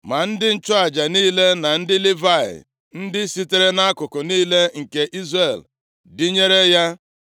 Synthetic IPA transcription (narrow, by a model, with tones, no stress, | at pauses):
ma˨n̩˦dɪ˦n̩˦t͡ʃʊ˦a˨d͡ʒa˨niː˦le˦na˨n̩˦dɪ˦li˦va˦˨ɪ̰˨ | n̩˦dɪ˦si˦te˨ɾe˦na˦kʊ˨kʊ˨niː˦le˦ŋ̩˨ke˨ʔi˦zre˦˨l | dɪ˦ɲe˦ɾe˦ja˦